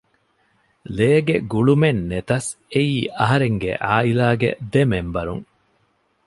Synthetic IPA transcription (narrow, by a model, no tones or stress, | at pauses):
leːɡeɡuɭumenːet̪ɐseiːʔɐɦɐɾeŋɡḛʔaːilaːɡḛd̪emembɐɾṵŋ